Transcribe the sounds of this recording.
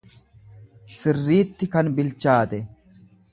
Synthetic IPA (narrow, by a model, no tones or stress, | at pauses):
sɪrːiːt̪ːɪkɐnbɪlt͡ʃaːt̪ɛ